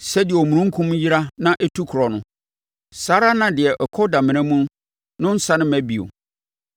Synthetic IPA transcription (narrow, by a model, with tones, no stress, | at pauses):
sɛ˦dɪ˨ɛ˨o˨mũ˨ɾũ˦ŋ̩˦kʰũ˦mji˦ɾa˦nã˦ʔɛ˦tʰu˦kʰɾɔ˨nʊ̃˦ | saː˦ɾa˦nã˨dɪ˨ɛ˨ʔɔ˨kʰɔ˦da˨mɪ̃˨nɛ̃˦mũ˦n | nʊ̃˦n̩˦sa˦nɪ̃˦mæ˦bi˨o̰˨